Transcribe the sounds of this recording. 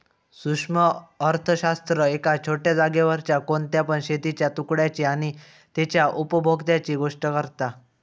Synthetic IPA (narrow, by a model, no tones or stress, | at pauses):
sukʂməəɾt̪ʰəɕast̪ɾəekat͡ɕʰoʈjad͡zaɡjeʋəɾt͡ɕjakont̪japəɳɕet̪it͡ɕjat̪ukɽjat͡ɕiaɽ̃i | t̪et͡ɕjaʔupəbʱoɡt̪jat͡ɕiɡoʂʈəkəɾt̪a